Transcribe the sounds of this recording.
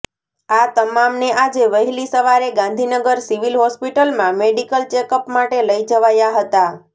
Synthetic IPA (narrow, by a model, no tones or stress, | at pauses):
at̪əmamneʔad͡ʒeʋəɦlisəʋaɾeɡãnd̪ʱinəɡəɾsiʋilɦɔspiʈəlmãmeɖikəlt͡ʃekəpmaʈeləid͡ʒəʋajaɦət̪a